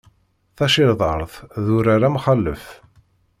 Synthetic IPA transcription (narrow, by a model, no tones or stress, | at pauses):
θæʃɪɾðˤɑ̰ɾˤθðuɾaɾamχəlːə̰f